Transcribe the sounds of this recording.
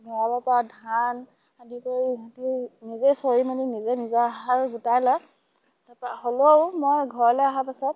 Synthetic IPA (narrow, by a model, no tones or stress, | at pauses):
mɔɹabapadʱan | adikoɹiatinizesoɹimaninizenizɔaɦakɡutajlɔ | tapaɦolowmojɡʱɔɹlɛaɦapasɔt